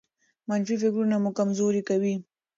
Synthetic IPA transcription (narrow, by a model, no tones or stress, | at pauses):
manfifɪkɾunamukamzoɾikawi